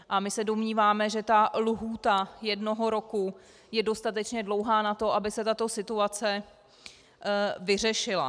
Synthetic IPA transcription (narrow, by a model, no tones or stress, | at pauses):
ʔamɪsɛdo̞mɲiːvaːmɛʒɛt̪aluɦuːt̪ajɛdno̞ɦo̞ɾo̞ku | jɛdo̞st̪at̪ɛt͡ʃɲɛdlo̞wɦaːnat̪o̞ʔabɪsɛt̪at̪o̞sɪt̪uat͡sɛ | vɪr̝ɛʃɪla̰